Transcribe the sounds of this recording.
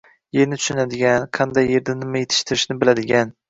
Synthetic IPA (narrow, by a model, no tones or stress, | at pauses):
jeɾnɪt̪ʰʊ̥ʃnad̪ɪɡʲanqʰɑnd̪ajːeɾd̪anɪmajet̪ʰɪ̥ʃt̪ʰɪɾɪʃnɪbɪlad̪ɪɡʲan